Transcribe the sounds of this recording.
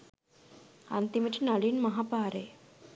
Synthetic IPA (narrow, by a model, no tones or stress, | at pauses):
ɐ̰nt̪imiʈinaliːnmɐɦapaːɾe